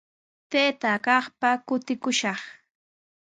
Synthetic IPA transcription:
t̪eːt̪akɑχpakʊt̪ɪkʊʃɑχ

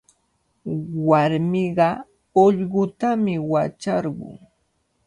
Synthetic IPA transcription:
waɾmɪɢɑ | oʎɢʊt̪amɪwat͡ʃɑɾɢʊ̰ŋ

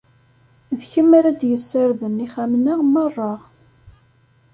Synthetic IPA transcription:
vçəmːaɾad̪jəsːəɾðəniχæmnaʁmərˤːɑʁ

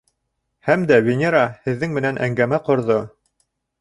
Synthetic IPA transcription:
hæmd̪ævʲenʲeɾahɘ̆ðːɘŋmɘ̆nænʔæŋɡæmæqŏɾðo

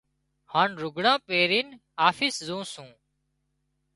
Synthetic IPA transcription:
haːnɾʊɡʱɽãːpeːɾiːn | aːfiːszũːsũː

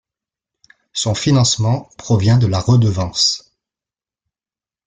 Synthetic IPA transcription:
sɔ̃finɑ̃smɑ̃pχɔvjɛ̃d̪əlaʁəd̪əvɑ̃s

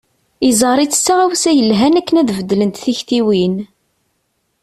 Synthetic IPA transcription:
izˤəɾˤit͡sːə̥sːaʁæwsæjəlɦænækːənæðvəd̪ːlənt̪θiçt̪iwin

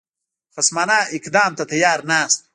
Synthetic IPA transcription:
fɐsmaːnaːikd̪aːmt̪ɐt̪ʰɐjaːɾnaːst̪̚

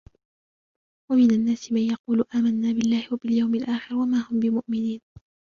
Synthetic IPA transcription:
wamɪnanːaːsɪmanjɑquːlʔaːmanːaːbɪlːaːhɪwabɪljawmɪlʔaːxɪɾwamaːhʊmbɪmʊʔmɪniːn

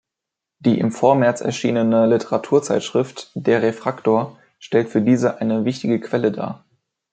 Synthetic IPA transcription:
d̥iːʔɪ̰mfoːɐmɛɐt͡sɛ̰ɐʃḭːnənəlɪtʰəʁatʰuːɐt͡saɪtʃʁ̥ɪftd̥eːɐʁefʁ̥aktoːɐ | ʃtɛltfyːɐdiːzəʔaɪnəvɪçtɪɡəkʰv̥ɛləda̰ː

